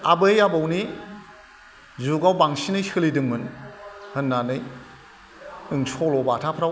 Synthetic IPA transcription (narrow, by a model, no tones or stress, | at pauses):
abɯjabawni | zuɡawbaŋsinɯjsɯlidɯŋmɯnhɯnːanɯj | ɯŋsʰɔlɔbatʰapʰɾaw